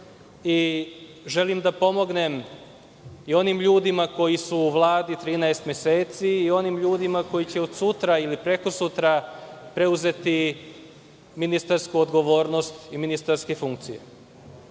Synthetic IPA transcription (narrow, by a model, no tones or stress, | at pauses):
i | ʒe̞limd̪apo̞mo̞ɡne̞m | io̞nimʎuːd̪imako̞jisuːʋlˠaːd̪it̪ɾiːnaest̪mjeseːt̪siːo̞nimʎuːd̪imako̞jit͡ɕeo̞d̪sut̪ɾailipɾe̞ko̞sut̪ɾapɾe̞uze̞t̪i | minist̪aɾskuod̪ɡo̞ʋo̞ːɾno̞st̪iminist̪aɾskefuŋk̚t̪sijḛ